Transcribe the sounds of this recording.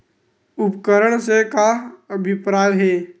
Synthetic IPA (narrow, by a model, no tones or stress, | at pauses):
upkəɾəɽsekaəbʱipɾajɦeː